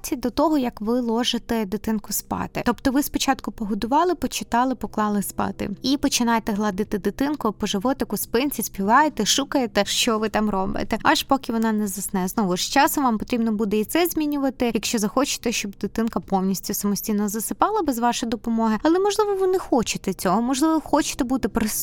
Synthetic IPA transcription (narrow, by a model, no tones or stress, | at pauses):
t͡sʲid̪ɔt̪ɔɦɔjɐkʋɪlˠɔʒɪt̪ɛd̪ɪt̪ɪnkʊspɑ̰t̪ɪt̪ɔpt̪ɔʋɪspɔt͡ʃɑt̪kʊpɔɦʊd̪ʊʋɑlˠɪpɔt͡ʃɪt̪ɑlˠɪpɔklˠɑlˠɪspɑ̰t̪ɪ̰ipɔt͡ʃɪnɑjet̪ɛɦlˠɐd̪ɪt̪ɪd̪ɪt̪ɪnkʊpɔʒɪʋɔt̪ɪkʊspɪnʲt͡sʲisʲpʲiʋɑjet̪ɛʃukɐjet̪ɛʃt͡ʃɔʋɪt̪ɑmɾɔbɪ̰t̪ɛɑʃpɔkʲɪʋɔnɑnɛzɐsnɛznɔʋʊʃt͡ʃɑsɐmʋɑmpɔt̪ɾʲibnɔbud̪ɛit̪sɛzʲmʲinʲʊʋɐt̪ɪjɐkʃt͡ʃɔzɐxɔt͡ʃɪ̥t̪ɛʃt͡ʃɔbd̪ɪt̪ɪnkɐpɔwnʲisʲtʲʊsɐmɔsʲtʲijnɔzɐsɪpɑlˠɐbɛzʋɑʃɔjd̪ɔpɔmɔɦɪɐlˠɛmɔʒlˠɪʋɔʋɨnɛxɔt͡ʃɪt̪ɛt͡sʲɔɦɔmɔʒlˠɪʋɔxɔt͡ʃɪ̥t̪ɛbut̪ɪpɾɔsʲ